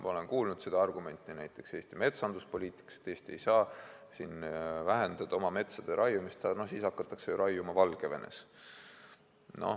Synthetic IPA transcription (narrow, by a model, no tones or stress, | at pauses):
mʔɑo̞le̞nkuːlnud̪se̞d̪̥ɑɑrɡ̥ume̞nʲt̪ːˑinæjt̪ːˑe̞kse̞ːst̪ime̞t̪sɑnd̪̥uspo̞lʲiːt̪ˑi̥kːˑɑ̥set̪ːe̞ːst̪iejsɑːsinvæɦe̞nd̪̥ɑd̪̥o̞mɑme̞t̪sɑd̪̥eɾʔɑjumist̪ɑno̞hsiːsɑkːɑt̪ːˑɑkse̞juɾʔɑjumɑvɑlɡ̥eve̞̰ne̞̰s | no̞̰